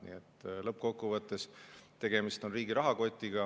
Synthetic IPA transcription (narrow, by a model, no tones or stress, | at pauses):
nḭet̪ːˑlɤp̚ːko̞kːuvɤt̪ːe̞st̪e̞ɡ̥e̞mist̪o̞nriːɡiɾɑɦɑko̞t̪ʲːˑiɡɑ